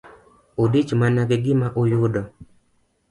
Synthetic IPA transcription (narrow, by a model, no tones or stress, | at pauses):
odit͡ʃmanaɡɛɡɪmaʔojʊdɔ